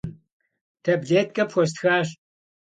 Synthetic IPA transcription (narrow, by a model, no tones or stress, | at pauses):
tʰɐbɮeːtkʼɐpxʷɔs̬txaːɕ